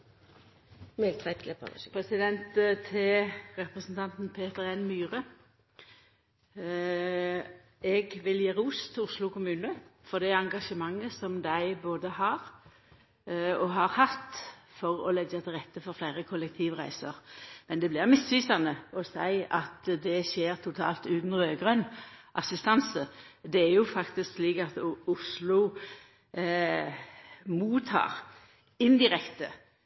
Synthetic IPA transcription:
mɪlt̪ʰɛpʰɾɛsɪd̪ɛnt̪t̪ʰɪʁɛpʁəsnt̪ʰɑnt̪npʰeːt̪əʁɛnmyːʁə | ɛɡʋɪljeːʁuːst̪ʰɪʊʂlʊkʊmʉːnəfɔʁd̪ɛɑŋɡɑʃəmɑŋːəsɔmd̪æɪboːd̪əhɑːʁ | ɔɦɑʁhɑt̪ːfɔʁɔ̰lɛɡɑt̪ʰɪlɾʁɛt̪ːəfɔɾflæɪʁəkʰʊlɛk̚t̪ʰiːʋʁæɪsəʁmɛnd̪ɛblɪʁmɪsʋiːsɑnəɔsæɪɑt̪d̪ɛʃeːʁt̪ʰʊt̪ʰɑ̰ːlt̪ʉːt̪nʁøːɡʁœnʔɑsɪst̪ɑnsəd̪ɛæʁjʊfɑkt̪ɪsksliːkɑt̪ʊslʊ | muːt̪ʰɑ̰ːʁ | ɪnd̪ɪɾɛkt̪ə

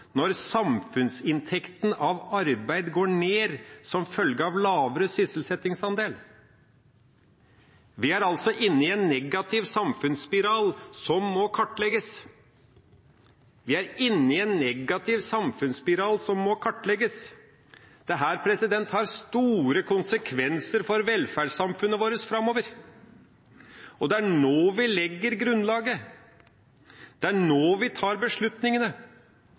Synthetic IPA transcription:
nɔɾsɑmfʉnsɪnt̪ʰɛkt̪n̩ɑʋɑɾbæɪd̪ɡoːɳeːɾsɔmfœlɡəɑʋlɑːʋəɾəsʏsəlsɛt̪ɪŋsɑnd̪eːl | ʋɪæɾɑlt̪sɔʔɪnːɪɛnːɛɡɑt̪ʰɪʋsɑmfʉnspɪɾɑːlsɔmːɔkʰɑʈːlɛɡəs | ʋɪæɾɪnːɪɛnːɛɡɑt̪ɪʋsɑmfʉnspɪɾɑːlsɔmːɔkʰɑʈːlɛɡəs | d̪̥ɛɦæːɾpʰɾɛsɪd̪ɛnt̪hɑɾst̪uːɾəkʰʊnsəkʰʋɛnsəɾfɔɾʋɛlfæɖɑmfʉnːəʋoːɾəsfɾɑmːoːʋəɾ | ɔd̪ɛæɳoːʋɪlɛɡːəɾɡɾʉnːlɑːɡə | d̪̥ɛæɳoːʋɪt̪ʰɑːɾbəʂɭʉt̪nɪŋənə

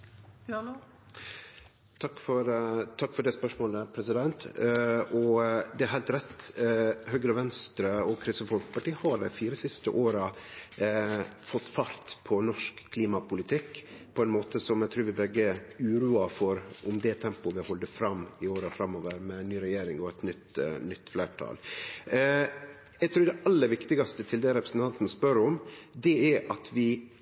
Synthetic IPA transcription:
t̪ʰɑkːfɔɾt̪ʰɑkːfɔɖɛspœʂmoːləpʰɾɛsɪd̪ɛnt̪ | ɔd̪ɛæɾɦæɪlt̪ɾɛt̪ː | hœɡɾəʋɛnst̪ɾəɔkʰɾɪsəfɔlkpɑʈiːhɑd̪æ̰ɪfiːɾəsɪst̪ə̰ʔoːɾə | fɔt̪ːfɑɾt̪pʰɔnɔʂkkʰːliːmɑpʰʊlɪt̪ʰɪkːpʰɔɛnmoːt̪əsɔmjæɪt̪ɾʉːɾʋɪbɛɡːəʉːɾuːɑfɔɾʊmd̪ɛt̪ʰɛmpʊʋɪhɔld̪əfɾɑmɪoːɾəfɾɑmːoːʋəɾmɛnnyːɾɛjeːɾɪŋɔɛt̪nʏt̪nʏt̪ːfleːʈʰɑ̰ːl | jæɪt̪ʰɾʉːd̪ɛʔɑlːəɾʋɪkt̪ɪɡɑst̪ət̪ʰɪld̪ɛɾɛpɾəsən̩t̪ʰɑnt̪nəspœɾɔmd̪ɛæʔɑt̪ʰʋɪ

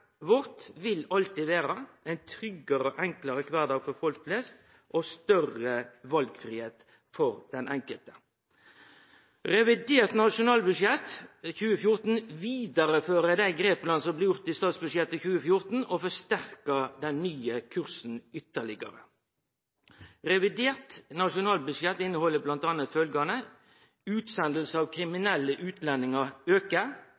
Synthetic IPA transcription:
ʋɔʁt̪ʋɪlɑlt̪ɪʋeːɾəʔæɪnt̪ʰɾʏɡəɾɔʔɛŋklɑɾəkʰʋɑːd̪ɑːɡfɔfɔlkflɛst̪ | ʔost̪œrəʋɑlɡfʁiːheːt̪ | fɔɾd̪̥ɛnʔɛŋkəlt̪ə̥ | ʁɛʋɪd̪eːʁt̪nɑʃʊnɑːlbʉʂjɛt̪çʉːəfjʊʁt̪n̩ʋiːd̪əʁəføːʁəd̪æɪɡʁeːplɑnsɔmblɪjʊʁt̪ɪst̪ɑːt̪sbʉʂjɛt̪ːəçʉːəfjʊʁt̪n̩ofɔst̪æʁkəd̪ɛnːyːəkʰʉʁsn̩ʏt̪ːəɭɪɡə̰ʁə̰ | ʁɛʋɪd̪eːʁt̪nɑʂʊnɑːlbʉʂjɛt̪ːɪnəhɔlːəblɑnt̪ɑːnət̪fœlɡɑnə | ʉːt̪sɛnd̪l̩səɑːʋkʰʁɪmɪnɛlːəʔʉːt̪lɛnːɪŋəøːkə

